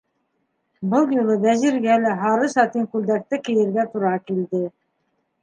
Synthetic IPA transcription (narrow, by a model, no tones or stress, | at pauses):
bɤlˠjulˠɤbæʑiɾɡælɘɦɑɾɤsɑt̪iŋkʉld̪æk̚t̪ɘkɘ̆jɘ̆ɾɡæt̪uɾɑkild̪ɘ